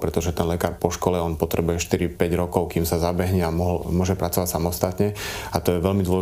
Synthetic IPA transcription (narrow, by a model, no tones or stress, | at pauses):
pɾɛt̪ɔʒɛt̪ɛnlɛkaːɾpɔʃkɔlɛɔnpɔt̪ɾɛbujɛʃt̪iɾipɛɟɾɔkɔʊkiːmsazabɛɦɲɛamɔɦlmʊɔʒɛpɾat͡sɔʋacsamɔst̪at̪ɲɛat̪ɔjɛʋɛlmid̪ʊɔl